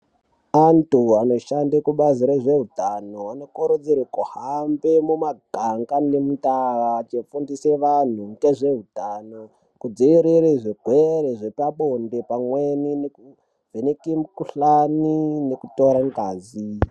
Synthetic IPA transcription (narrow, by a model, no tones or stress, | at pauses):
antuano̞ʃandekuɓaziɾeʐe̞ɦutanoano̞koɾud͡ziɾekuhambemumaɡʱaŋɡanemutaʋat͡ʃefundiseʋan̤uŋɡeʐe̞ɦutana | kud͡ziʋiɾiɾiʐeɡʱweɾeʐepaɓondepamwenineku | vʱenekimkuɬaninekuto̞ɾaŋɡaːzi